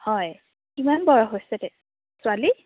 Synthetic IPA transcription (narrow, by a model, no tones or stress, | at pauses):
hɔj | kimanbɔɹɔɦojsɛtɛ | sʊali